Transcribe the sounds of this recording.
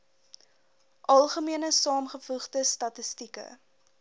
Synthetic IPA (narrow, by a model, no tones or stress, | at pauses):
ʔɐlˠχəmiənəsɑːmχəfuχdəstɐtəstikə̰